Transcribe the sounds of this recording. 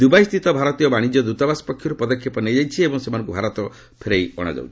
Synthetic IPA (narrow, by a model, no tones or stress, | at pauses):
d̪ubajst̪ʰit̪ɔbʱaɾɔt̪ijɔbaɽ̃id͡ʒɔd̪ut̪ɔbasɔ̥pɔkʰːjɔɾupɔd̪ɔkʰːipɔnejd͡ʒajt͡ʃʰiebɔŋsemanɔ̃ŋkubʱaɾɔt̪ɔ | pʰeɾejɔɽ̃a̰d͡ʒa̰wt͡ʃʰi̥